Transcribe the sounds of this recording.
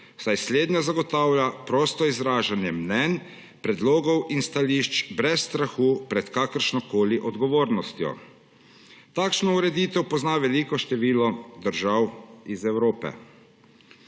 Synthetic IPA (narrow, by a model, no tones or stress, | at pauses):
wsajsleːd̪nazaɡɔt̪aːwljapɾɔːst̪ɔizɾaːʒanjɛmnɛn | pɾɛd̪loːɡɔwʔinst̪aliːʃt͡ʃbɾɛsːt̪ɾaxuːpɾɛt̪kaːkəɾʃnɔkoːliʔɔd̪ɡɔʋoːɾnɔst̪jɔ̰ | t̪aːkʃnɔuɾɛd̪iːt̪ɛwpɔznaːʋɛlikɔʃt̪ɛʋiːlɔd̪əɾʒawizɛwɾoːpɛ̰